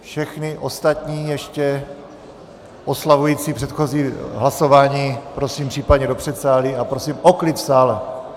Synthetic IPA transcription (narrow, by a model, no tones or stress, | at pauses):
fʃɛxnɪʔost̪at̪ɲiːjɛʃcɛ | ʔoslavujiːt͡sipr̝̥ɛt̪xo̞ziːɦlaso̞vaːɲiːpɾo̞siːmpr̥iːpad̪ɲɛdo̞pr̥ɛt̪saːlɪapɾo̞siːmoklɪt̪fsaːlɛ